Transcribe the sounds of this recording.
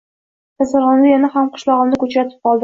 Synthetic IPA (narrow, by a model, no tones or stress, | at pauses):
t̪asaɾʁɑnlɪjanahamqʰʊ̥ʃlˠɒʁɨmnɪkɵt͡ʃɾat̪ʰɪ̥p̚qɒlˠd̪ɪ